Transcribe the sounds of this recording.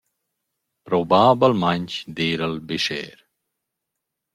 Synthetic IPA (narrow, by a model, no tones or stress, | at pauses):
pɾobaːbɐlmanʲt͡ʃd̪iːɾəlbiʃḛːɾ